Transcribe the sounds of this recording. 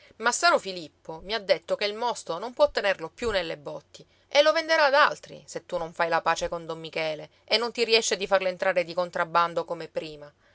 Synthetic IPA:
masːaːɾofilipːomiad̪ːet̪ːokeilmɔst̪onompwɔt̪ːenerlopjunːelːebɔt̪ːi | ʔelːovend̪eɾaːd̪alt̪ɾḭset̪ːunoɱfajlapaːt͡ʃekond̪omːikɛːle | enːont̪iɾiɛʃːed̪ifarlent̪ɾaːɾed̪ikont̪ɾabːand̪okomepɾiːma

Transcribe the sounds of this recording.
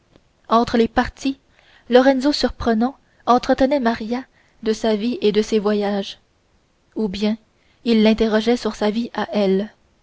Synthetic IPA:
ɑ̃t̪χəlepaʁt̪ʰi | lɔʁɛnzosyʁpχənɑ̃ | ɑ̃t̪χət̪ənɛmaʁja | d̪əsavied̪əsevwajaʒ | ubjɛ̃ | ilːɛ̃t̪eʁɔʒɛsyʁsaviaʔɛl

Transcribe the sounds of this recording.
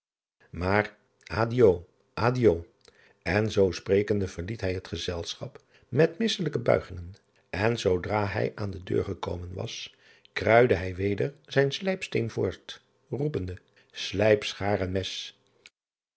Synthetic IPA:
maːr | ʔaːdio | ʔaːdiow | ɛnzowsprejkəndəvəɹlitɦɛjɦətχəzɛlˠsχɑp | mɛtmɪsələkəbœ̰ɥχɪŋən | ʔɛnzowdraːɦɛ̰jʔaːndədø̰ːɹχəko̰wmənʋɑ̰s | krœɥdəɦɛjʋejdəɹzɛjnslɛjpstejnvʊːɹt | rupəndə | slɛjpsχaːrənmɛs

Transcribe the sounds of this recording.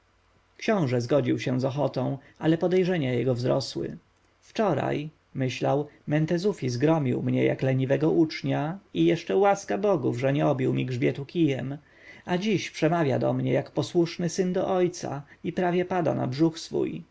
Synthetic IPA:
kɕɔ̃w̃ʐɛzɡɔd͡ʑiwɕɛ̃zɔxɔt̪ɔ̃w̃ | alɛpɔd̪ɛjʐɛɲajɛɡɔvzɾɔ̰swɘ̰ | ft͡ʂɔɾa̰j | mɘɕlawmɛnt̪ɛzufʲizɡɾɔmʲiwmɲɛ̰ja̰klɛɲivɛɡɔʔut͡ʂɲaijɛʂt͡ʂɛwaskabɔɡuvʐɛɲɛɔbʲiwmʲiɡʐbʲjɛt̪ukʲijɛm | ad͡ʑiɕpʂɛmavʲja̰d̪ɔ̰mɲɛjakpɔswuʂnɘsɘnd̪ɔʔɔjt̪sa̰ipɾavʲjɛpad̪a̰na̰bʐuxsfṵj

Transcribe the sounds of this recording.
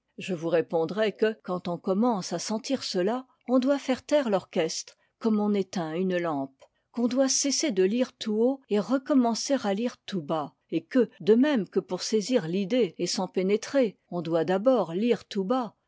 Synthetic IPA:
ʒəvuʁepɔ̃d̪ʁɛkəkɑ̃t̪ɔ̃kɔmɑ̃sasɑ̃t̪iʁsəla | ɔ̃d̪wafɛʁt̪ɛʁlɔʁkʲɛst̪χ | kɔmɔ̃net̪ɛ̃ynlɑ̃p | kɔ̃d̪wasesed̪əliʁt̪uoeʁəkɔmɑ̃seʁaliʁt̪uba | ekəd̪əmɛmkəpuʁseziʁlid̪eesɑ̃penet̪χeɔ̃d̪wad̪abɔʁliʁt̪uba

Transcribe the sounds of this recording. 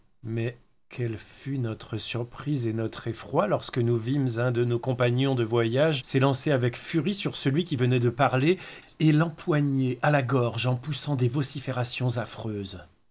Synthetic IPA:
mɛ | kʰɛlfynɔt̪χəsyʁpχizenɔt̪χefχwalɔʁskənuvimzɛ̃d̪ənokɔ̃paɲjɔ̃d̪əvwajaʒsɛlɑ̃seavɛkfyʁisyʁsəlɥikʲivənɛd̪əpaʁle | elɑ̃pwaɲeʔalaɡɔʁʒɑ̃pusɑ̃d̪evɔsifeʁasjɔ̃zafχøːz

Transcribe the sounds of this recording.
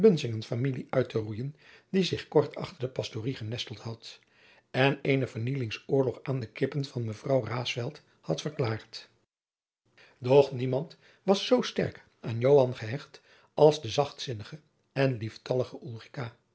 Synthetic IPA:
bɵnzɪŋənfamiliʔœɥtərujəndizɪχkɔɹtʰɑ̰χtəɹdəpɑstoriχənɛstəl̩ˠtɦɑt | ɛnejnəvəɹnilɪŋsʊːɹlɔχaːndəkɪpənv̥ɑnməvrɑwraːsfɛlˠt | hɑtfəɹklaːɹt | dɔχnimɑnt | ʋɑsːowstɛ̰ɹk | ʔaːnjowɑnχəɦɛχt | ʔɑlˠzdəzɑχtsɪnəχə | ɛnliftɑləχəʔulˠrikaː

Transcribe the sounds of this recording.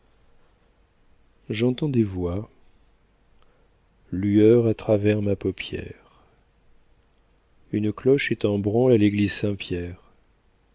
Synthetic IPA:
ʒɑ̃t̪ɑ̃d̪evwa | lyœʁat̪χavɛʁmapɔpjɛ̰ʁ | ynklɔʃet̪ɑ̃bʁɑ̃laleɡlizsɛ̃pjɛʁ

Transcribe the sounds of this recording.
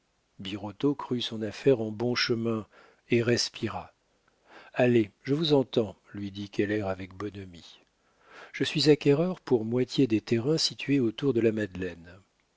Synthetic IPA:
biʁot̪okχysɔ̃nafɛʁɑ̃bɔ̃ʃəmɛ̃ | eʁɛspʰiʁa | aleʒəvuzɑ̃t̪ɑ̃ | lɥid̪ikʲɛlɛʁavɛk̚bɔnəmi | ʒ̥əsɥizakʲɛʁœʁpuʁmwat̪ʰjed̪et̪eʁɛ̃sit̪ɥeot̪uʁd̪əlamad̪lɛn

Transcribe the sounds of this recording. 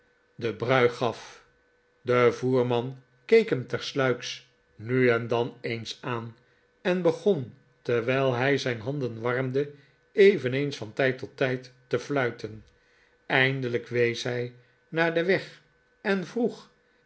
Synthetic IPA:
dəbrœɥχɑf | dəvuːɹmɑn | kejkɦəmt̪ɛɹslœɥks | nyɛndɑnejnsaːn | ɛnbəχon | tɛɹʋɛjlˠɦɛjzɛjnɦɑnd̪ənʋɑrmdə | ejvənejnsfɑntɛjtɔtːɛjtːəflœɥtən | ɛjndələkʋejsɦɛj | naːɹdəʋɛχ | ɛnvruχ

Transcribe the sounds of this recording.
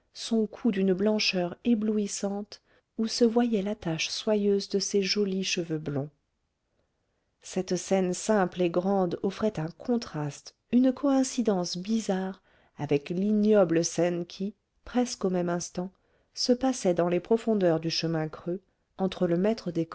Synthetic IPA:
sɔ̃kʰud̪ynblɑ̃ʃœʁebluisɑ̃t̪ | usəvwajɛlat̪aʃswajøzd̪əseʒɔliʃəvøblɔ̃ | sɛt̪sɛnsɛ̃pleɡʁɑ̃d̪ɔfχɛt̪ɛ̃kʰɔ̃t̪χast̪ | ynkʰɔɛ̃sid̪ɑ̃sbizaʁ | avɛklinjɔbləsɛnkʲʰi | pχɛskomɛmɛ̃st̪ɑ̃ | səpasɛd̪ɑ̃lepχɔfɔ̃d̪œʁd̪yʃəmɛ̃kχø | ɑ̃t̪χələmɛt̪χəd̪ek

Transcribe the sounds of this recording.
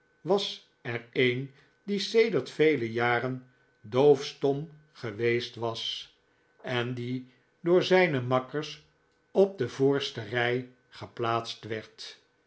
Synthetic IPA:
ʋɑs | ɛrejn | disejdəɹtfejləjaːrən | dowfstɔm | χəʋejstʋɑs | ɛndi | dʊːɹzɛjnəmɑkəɹs | ɔb̚d̪əvʊːɹstərɛj | χəplaːtstʋɛɹt

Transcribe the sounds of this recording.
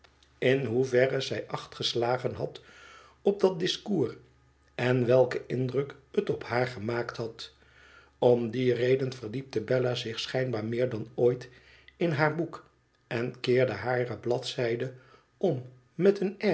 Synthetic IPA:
ɪnɦuvɛrəzɛjʔɑχtχəslaːχənɦɑt | ɔb̚dɑt̚dɪskuːr | ɛnʋɛlˠkəʔɪndrɵkətɔphaːɹχəmaːktɦɑt | ɔmdirejdənv̥əɹdip̚təbɛlazɪχsχɛjnbaːɹmɪːɹdɑnoːjt | ɪnɦaːɹbuk | ɛnkɪːɹdəɦaːrəblɑtsɛjdə | ɔmː | ɛtənɛ

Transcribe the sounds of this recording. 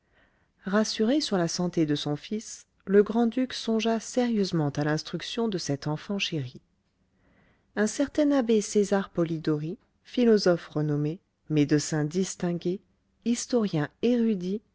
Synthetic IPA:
ʁasyʁesyʁlasɑ̃t̪ed̪əsɔ̃fis | ləɡʁɑ̃d̪yksɔ̃ʒaseʁjøzmɑ̃t̪alɛ̃st̪χyksjɔ̃d̪əsɛt̪ɑ̃fɑ̃ʃeʁi | ɛ̃sɛʁt̪ɛnabesezaʁpɔlid̪ɔʁi | filɔzɔfʁənɔme | med̪əsɛ̃d̪ist̪ɛ̃ɡʲe | ist̪ɔʁjɛ̃eʁyd̪i

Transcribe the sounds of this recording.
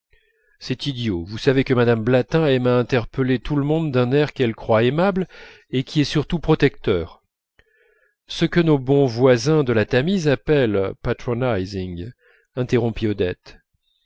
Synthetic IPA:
sɛt̪id̪jovusavekəmad̪amblat̪ɛ̃ɛmaɛ̃t̪ɛʁpəlet̪ʰuləmɔ̃d̪ːɛ̃nɛʁkɛlkχwaemabl | ekʲʰiɛsyʁt̪upχɔt̪ɛk̚t̪œːʁ | səkənobɔ̃vwazɛ̃d̪əlat̪amizapɛlpat̪χɔnajziŋ | ɛ̃t̪eʁɔ̃piɔd̪ɛt̪

